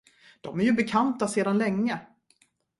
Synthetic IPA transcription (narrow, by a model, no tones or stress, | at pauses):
d̪̥ɔmæɾjɵbɛkʰant̪aseːd̪anlɛŋːə